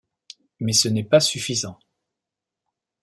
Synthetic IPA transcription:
mɛsənɛpasyfizɑ̃

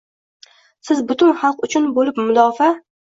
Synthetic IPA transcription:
sɪzbʊt̪ʰʊnχɑlˠqʊt͡ʃʰʊnbolɪpmʊd̪ɒfa

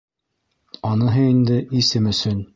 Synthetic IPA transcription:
ɒnɤ̆ɦɤind̪ɘisɘmɵ̆sɵn

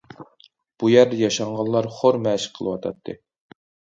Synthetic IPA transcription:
b̥ujæɾd̪ɛjɑʃɑɴʁɑnlˠɑɾχoɾmɛʃqʰəlˠɨwɑt̪ʰɑ̰t̪ʰːɨ̰

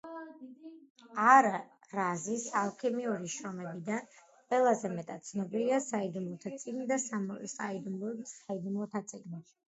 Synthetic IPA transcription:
aɾa | ɾazisalˠkʰɛmiuɾiʃɾɔmɛbid̪an | qʼwɛlˠazɛmɛt̪ʼat̪̚t̪sʰnɔbiliasaid̪umlˠɔt̪ʰat̪sʼiɡnid̪assaid̪umlˠɔsaid̪umlˠɔt̪ʰat̪sʼiɡni

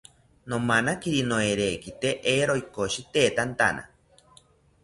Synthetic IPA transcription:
nomanakiɾinoeɾeːkit̪eʔeɾoikoʃit̪eːt̪ant̪a̰na̰

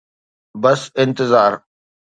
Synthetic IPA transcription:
bɐsɪ̃nt̪ɪzaːɾ

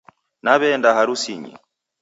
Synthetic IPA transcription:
naβɛndaɦaɾusiɲḭ

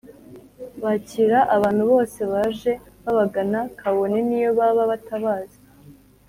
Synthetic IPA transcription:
βaciɾaʔaβaːn̥huβo̞ːse̞βaʒe̞ | βaβaɡanakʰaβo̞ne̞nijo̞βaβaβataβaːzi

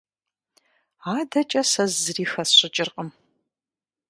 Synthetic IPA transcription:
aːdɐt͡ʃʼɐsɐzzɨriːxɐsɕʼɪt͡ʃʼɪrqʼəm

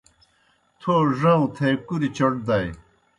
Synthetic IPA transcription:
t̪ʰoʐãũt̪ʰekuɾit͡ɕɐɽd̪ɐj

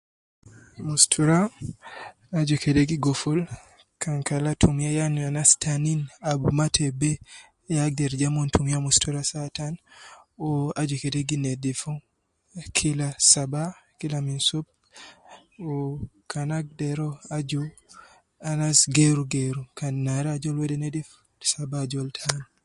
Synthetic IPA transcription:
mustʰuɾa | ad͡ʒukɛdeɡiɡɔfɔl | kʰaŋkalatʰumjajanuanastʰaninabumatʰɛbɛ | jaɡ̚dɛɾd͡ʒamɔntumjamustuɾasatan | ɔad͡ʒukɛdeɡinɛdɛfɔ | kʰilasabakilaminsub̚ | ɔkʰanaɡ̚dɛɾɔad͡ʒɔ | anasɡeɾuɡeɾukanːaɾad͡ʒɔlwɛdɛnɛdɛf | sabad͡ʒɔltʰan

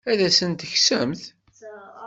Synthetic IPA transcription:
æðæsənt̪əçsəmθ

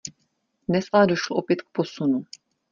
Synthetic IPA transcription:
dnɛsʔalɛdoʃloʔopjɛt̪k̚po̞sunu

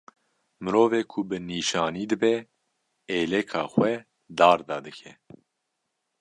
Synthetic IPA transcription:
mɨɾoːveːkʰʊbɨniːʃɑːniːd̪ɨbɛ | eːlɛkʰɑːxwɛ | d̪ɑːɾd̪ɑːd̪ɨkʰɛ

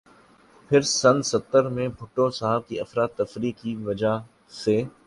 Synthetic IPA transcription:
pʰɪɾsɐ̃nsɐt̪ːəɾmẽbʱʊʈːosaɦəb̚kiɐfɾaːt̪ːɐfɾiːkːiʋɐd͡ʑa | seː

